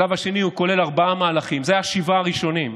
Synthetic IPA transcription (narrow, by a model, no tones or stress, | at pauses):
avaʃe̞niuko̞le̞laʁbaamaːlaχimzeajaʃivaʁiʃo̞nim